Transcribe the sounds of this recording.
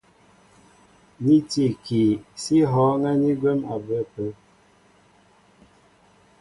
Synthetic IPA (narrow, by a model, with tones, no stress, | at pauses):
ni˦ti˨ki˨si˦ɦɔ˨˦ŋɛ˦ni˦ɡwe˦ma˨bə˦˨pə˦